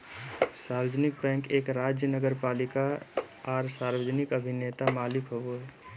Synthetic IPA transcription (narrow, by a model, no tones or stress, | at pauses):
saːɾəd͡ʒənɪk̚bɛ̃ːŋkeːkɾaːd͡ʒjənəɡəɾpaːlɪkaaːɾsaːɾʋəd͡ʒnɪkəbʱɪnet̪amaːlɪkɦoo